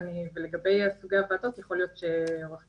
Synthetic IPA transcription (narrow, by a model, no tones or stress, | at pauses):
niveleɡabe̞jasɡavaːtot̪jaχo̞lijo̞t̪ʃeʁaχ